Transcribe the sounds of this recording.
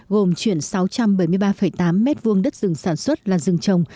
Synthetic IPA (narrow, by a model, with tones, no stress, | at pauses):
ɣo˨˩mt͡ɕwi˧˨ənsa˨˦wt͡ɕa˧mɓə˧˩jmɨ˧əjɓaː˧fə˧˩jt̪aː˨˦mːɛ˦˥t̚vu˧əŋɗə˦˥t̚zɨ˨˩ŋsaː˧˩nswə˦˥t̚laː˨˩zɨ˨˩ŋt͡ɕə˨˩wŋ͡m